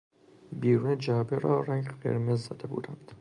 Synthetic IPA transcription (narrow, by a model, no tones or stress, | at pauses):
biːɾuːned͡ʒæːbeɾɒːɾæŋɡqḛɾmezːɒd̪ebṵːd̪ænd̪̥